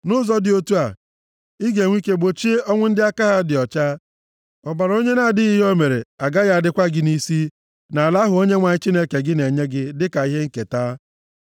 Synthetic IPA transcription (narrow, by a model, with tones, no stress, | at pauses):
nʊ˦zɔ˦dɪ˨o˦tu˦a˨ | i˦ɡe˨ŋʷ˦i˦ke˦ɡ͡bo˨t͡ʃi˦ɔ˦ŋʷʊ˦n̩˦dɪ˦a˦ka˦ɦa˦dɪ˨ɔ˨t͡ʃa˦ | ɔ˨ba˨ɾo˦ɲe˦na˦˨dɪ˦ɣi˦ɦo˦me˨ɾḛ˨a˨ɡa˦ja˦a˨dɪ˦kʷa˦ɡɪ˦ni˦si˦ | na˨la˦ɦʊ˨o˦ɲe˦ŋʷa˨ɲɪ˦t͡ʃi˦ne˦ke˨ɡɪ˦ne˨ɲe˦ɡɪ˦dɪ˦ka˨i˦ɦe˦ŋ̩˦ke˨taː˦